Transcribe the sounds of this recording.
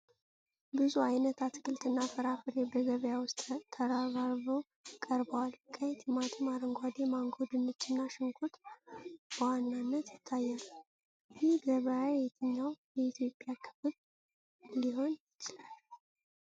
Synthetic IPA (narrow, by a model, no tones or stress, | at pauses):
bɨzuajnət̪ʰat̪kʰʼɨlt̪ʼɨnːafəɾafɨɾe̞bəɡəβjawʊst̪ʼt̪ʰːəɾaβaɾβow | kʼəɾbəwalkʰʼəjɛt̪ʰjɛmat̪ʰɨmaɾəŋɡʷad̪emaŋɡod̪ɨnːɨt͡ʃːɪnːaʃɨŋkʰut̪ | b̥əwanːanːət̪jɪt̪ʰːajːal | jɪhɡəβəjajɛt̪ʰɨɲːawjɛit̪ʰjo̞pʼjakʰɨ̥fɨβ | liɦo̞njɪt͡ʃɪlal